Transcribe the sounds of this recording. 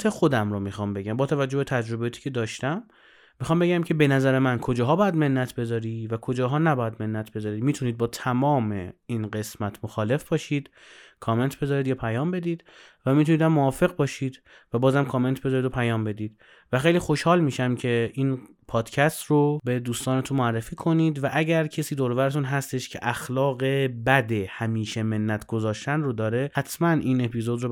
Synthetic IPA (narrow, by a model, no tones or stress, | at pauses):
t̪ʰexod̪æmɾomixɒːmbe̞ɟæmbɒːt̪ʰævæd͡ʒːobet̪ʰæd͡ʒɾo̞bejɒːt̪ʰi̥ːcʰe̞d̪ɒːʃt̪æmː | ixɒːmbe̞ɟæmcʰe̞be̞næzæɾemænkʰod͡ʒɒːɦɒːbɒːjæd̪me̞nːæt̪ʰbe̞zɒːɾiːvækʰod͡ʒɒːɦɒːnæbɒːjæd̪me̞nːæt̪ʰbe̞zɒːɾiːd̪miːt̪ʰuniːd̪̚bɒːt̪ʰæmɒːme̞iːnɢe̞smæt̪ʰmoxɒːle̞fb̥ɒːʃiːd̪̥ | kʰɒːme̞nt̪ʰbe̞zɒːɾiːd̪jɒːpʰæjɒːmbe̞d̪iːd̪̥ | væmit̪ʰunid̪æmːoɒːfe̞ɣbɒːʃiːd̪ | væbɒːzæmkʰɒːme̞nt̪ʰbe̞zɒːɾid̪opʰæjɒːmbe̞d̪iːd̪̥ | væxejliːxo̞ʃhɒːlmiːʃæmcʰe̞ʔiːn | pʰɒːd̪̥cʰæst̪robe̞d̪uːst̪ɒːnet̪ʰunmoærːefiːkʰo̞niːd̪væʔæɟæɾcʰesiːd̪oɾovæɾet̪ʰunɦæst̪e̞ʃcʰe̞̰ʔæxlɒːɣe̞bæd̪ehæmiːʃe̞me̞nːæt̪ʰɡ̥ozɒːʃt̪ænrod̪ɒːɾehæt̪ʰmænʔiːne̞pʰiːzo̞d̪ɾo